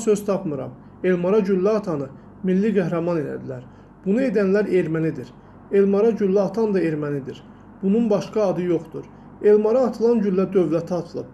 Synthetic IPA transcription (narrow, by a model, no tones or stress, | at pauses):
sø̞z̥t̪ʰɑpmɯɾɑ̰m | e̞lmɑɾɑɟylːæɑt̪ʰɑnɯ | milːiɡæɦɾɑmɑned̪æ̰d̪ilæɾ | b̥unue̞d̪ænlæɾe̞ɾmænid̪iɾ | e̞lmɑɾɑɟylːæːt̪ʰɑnd̪ɑe̞ɾmænid̪iɾ | b̥ununbɑʃkɑːd̪ɯjoχd̪uɾ | e̞lmɑɾɑːt̪ʰɯlˠɑnd͡ʒylːæd̪ø̞vlæt̪ʰɑt̪ʰɯlˠɯp̚